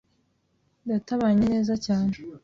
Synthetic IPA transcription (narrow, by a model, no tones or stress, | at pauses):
dataβaɲene̞ːzacaːne